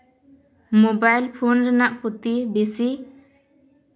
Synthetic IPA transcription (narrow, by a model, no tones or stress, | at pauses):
mobajlpʰɔnɾɛnaʔpɔt̪ibesi